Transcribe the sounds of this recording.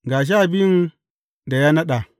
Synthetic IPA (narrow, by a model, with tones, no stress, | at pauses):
ɡa˨ʃ̬a˦˨bi˦n | da˨ja˦na˦ɗa˨